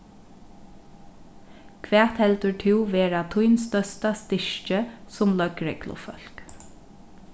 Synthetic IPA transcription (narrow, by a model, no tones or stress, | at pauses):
kʰʋɛːt̪hɛlt̪əʈʰɪwʋeːɹat̪ʰʊjnst̪œst̪ast̪ɪʃt͡ʃəsʊmlœkɹɛklʊ̰fœ̰l̥k